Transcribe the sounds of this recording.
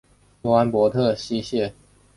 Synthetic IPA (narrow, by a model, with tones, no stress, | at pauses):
wa˦npwɔ˧˦t̪ʰɤ˥˨ɕi˥˦ɕjɛ˥˨